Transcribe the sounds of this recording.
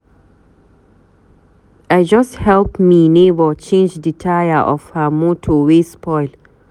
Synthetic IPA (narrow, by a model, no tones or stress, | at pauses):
ajd͡ʒʌsthɛlpminebət͡ʃẽnd͡ʒditʰajəʔɔ̰fhamotʰowespɔɪl